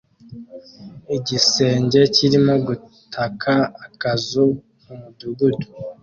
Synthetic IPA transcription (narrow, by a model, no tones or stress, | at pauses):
iɟise̞ːɲɟe̞ciɾimo̞ɡu | tʰakʰaːkazu | kumuduɡudu̥